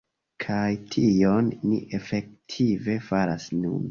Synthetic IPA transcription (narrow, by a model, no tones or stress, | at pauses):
kʰajtʰionːḭʔe̞fe̞k̚tʰive̞faɾasnṵn